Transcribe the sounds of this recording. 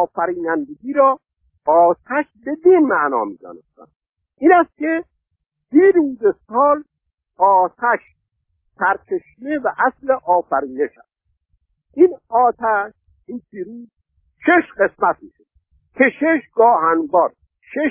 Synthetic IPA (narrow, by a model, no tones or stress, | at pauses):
ɔːfæɾiːnænd̪eɡʲiːɾɒː | ɒːt̪ʰæʃbed̪inmæʔnɒ̰ːmḭːd̪ɒ̰ːnest̪æ̰n | ʔiːnæst̪̚ke | d̪̥iːɾuːzesɒːl | ɒːt̪ʰæʃ | sæɾt͡ʃʰeʃnevæʔæsleʔɒːfæɾiːneʃæ̰s | ʔiːnɒːt̪ʰæʃ | inpʰiːɾuːz | ʃeʃɢe̞smæt̪̚miʃod̪̚ | kʰeʃeʃɡɒːhænbɒːɾ | ʃe